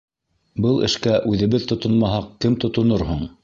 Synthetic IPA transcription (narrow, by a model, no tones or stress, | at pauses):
bɤlˠɘ̰̆ʃkæʔʉðɘ̆βɘðt̪ŏt̪ŏnmɑɦɑqkɘmt̪ŏt̪ŏnoɾhoɴ